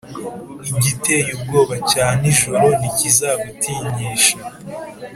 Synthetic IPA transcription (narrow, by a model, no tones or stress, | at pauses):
iɟite̞jub̚ɡo̞ːβacaːniʒoɾo̞nicizaːβutiɲiːʃa